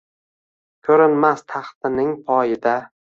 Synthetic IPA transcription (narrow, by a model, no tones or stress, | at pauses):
kʲʰɵɾɪnmast̪ʰɑχt̪ɪnɪŋpʰɒjɪd̪a